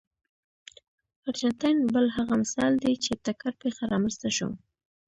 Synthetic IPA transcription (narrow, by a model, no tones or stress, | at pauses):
aɾt͡ʃant̪ajnbəlɦaɣamɪsɑ̰ld̪et͡ʃet̪akaɾpexaɾɑmənst̪aʃo̰